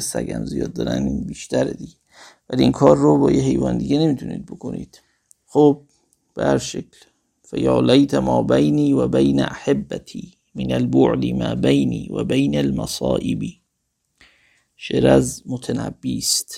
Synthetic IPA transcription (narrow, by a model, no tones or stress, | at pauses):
sæɡæmzijɒːd̪̚ːɒːɾæninbiːʃt̪ʰæɾed̪iɟe | væliinkʰɒːɾːobɒːjeɦe̞jvɒːnd̪iɡenemiːt̪ʰunḭːd̪̚bokʰonḭːd̪̥ | xob̚ | b̥ehæɾʃekʰl | fæjɑːlæjt̪ʰæmɒːbejniːvæbejnæʔaħebːæt̪ʰiː | menælboʕd̪imæːbejniːvæ̰bejnælmæsɑːʔebiː | ʃeɾæzmot̪ʰænæbːiːst̪